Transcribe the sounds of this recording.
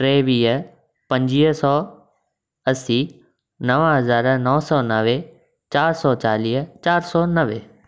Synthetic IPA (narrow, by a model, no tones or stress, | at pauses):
ʈɾeːʋiːɦə | pɐ̃ɲd͡ʑiːɦsɔː | ɐsiː | nɐʋəɦɐzaːɾnɔːsɔːnɐʋe | t͡ɕaːɾsɔːt͡ɕaːliːɦət͡ɕaːɾsɔːnɐʋeː